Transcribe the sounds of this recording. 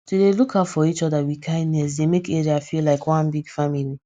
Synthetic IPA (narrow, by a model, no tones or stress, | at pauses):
tudelukafɔit͡ʃɔdawikʰãɪ̃dːɛs̬demekeɾiafilaɪkwãnbiɡfamili